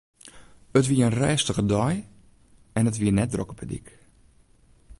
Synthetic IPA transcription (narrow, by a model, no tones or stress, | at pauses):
ətʋiəənrɛːstəɣədɔj | ɛnətʋiənɛt̚drɔkəpʰədḭk